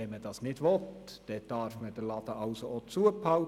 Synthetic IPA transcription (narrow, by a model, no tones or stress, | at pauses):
ɛməd̥ɑsnɪd̥ʋɔt̪d̥ɛd̥ɑɾfməd̥əlɑd̪əʔɑʊsoot͡suəpʰɑʊ